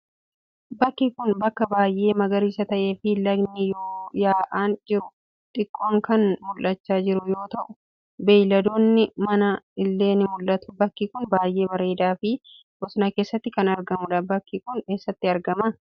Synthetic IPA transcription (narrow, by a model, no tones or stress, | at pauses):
bɐkːikʊnbɐkːɐbaːjʔe̞ːmɐɡɐɾiːsɐt̪ɐʔe̞ːfɪlɐɡnɪjoːjaːʔaːnd͡ʒɪɾʊ | t̪ʼɪkʼːoːŋkɐnmʊlːɐt͡ʃːaːd͡ʒɪɾʊjo̞ːt̪ɐʔʊ | beːjlɐd̪oːnːɪmɐnɐɪlːe̞ːnɪmʊlːɐt̪ʊ̥bɐkːikʊnbaːjʔe̞ːbɐɾe̞ːd̪aːfɪ | ʔɔsʊnɐke̞ːsːɐt̪ːɪkɐnɐɾɡɐmʊᶑɐbɐkːikʊneːsːɐt̪ːɪɐɾɡɐmɐ